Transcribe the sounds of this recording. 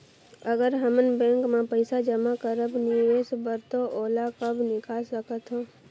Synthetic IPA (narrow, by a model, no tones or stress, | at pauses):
əɡəɾɦəmənbɛ̃ːŋkmẽpəɪsad͡ʒəmakəɾəbnɪʋeːsbəɾt̪oʔoːlakəbʱnɪkasəkət̪ɦoː